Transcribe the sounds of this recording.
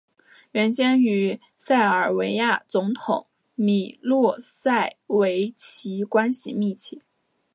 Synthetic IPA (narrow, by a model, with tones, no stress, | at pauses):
ɥə˧˥nɕjɛ˥ny˧˥ | sa˥˩ɪə˞˨˩we˧˥ɪja˥˩t͡sʊ˧˥ŋt̪ʰʊ˨˩˦ŋ | mi˨˩lwɔ˥˧sa˥˩ɪwe˧˥ɪt͡ɕʰi˧˥kwa˥nɕḭ˨˩mi˥˩t͡ɕʰjɛ˥˩